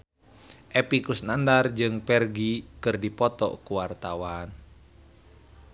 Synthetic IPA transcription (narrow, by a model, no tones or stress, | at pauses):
ʔɛpikusnandard͡ʒɨŋpɛrɡikɨrdipɔt̪ɔ̰kuwart̪awan